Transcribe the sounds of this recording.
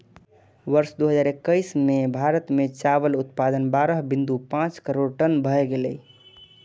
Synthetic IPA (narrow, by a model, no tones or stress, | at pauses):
ʋəɾsd̪oɦəd͡ʒaɾekːəɪsmebʱaɾət̪met͡ʃaβəlut̪̚pad̪ənbaɾəɦbĩnd̪upãt͡ʃkəɾoɽʈənbʱəɛɡelɛ